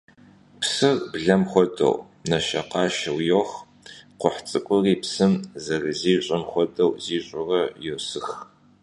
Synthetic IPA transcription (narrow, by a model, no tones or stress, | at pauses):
psɨrbɮɐmχʷɔdɐ̰w | nɐʃɐqɑːʃɐwjox | qʷʊħt͡sʼɨkʷʼʊriːpsɨmzɐrɨziːɕʷʼɐmχʷɔdɐwziːɕʼʊrɐjosɨx